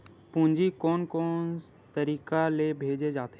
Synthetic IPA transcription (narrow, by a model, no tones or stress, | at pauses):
pũːɲd͡ʒikɔːnkɔːn | t̪əɾiːkalebʱeːd͡ʒed͡ʒaːt̪e